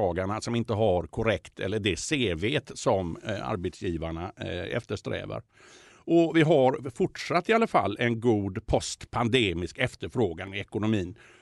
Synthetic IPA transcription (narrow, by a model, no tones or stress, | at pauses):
ɑːɡaɳasɔmɪnt̪əɦaɾkʰʊɾɛkt̪ʰɛ̰lːəɖɛseːveːt̪sɔma̰ɾbet̪sjiːvaɳaɛ̰ft̪əʂt̪ɾɛ̰ːvə̰ɾ | ɔvɪɦaɾfʊʈʂat̪ːɪalːafa̰lːɛnɡuːd̪pʰɔst̪pʰand̪eːmɪskɛft̪əɾfɾoːɡanmɛɛkʊnʊmiːn